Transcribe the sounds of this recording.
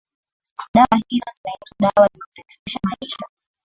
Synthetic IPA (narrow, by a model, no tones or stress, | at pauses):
ɗawahizɔzinaituɗawazikuɾɛfiʃamaiʃa